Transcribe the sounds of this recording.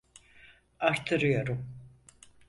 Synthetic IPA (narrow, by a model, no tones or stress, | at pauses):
aɾt̪ʰɯɾɯjo̞ɾum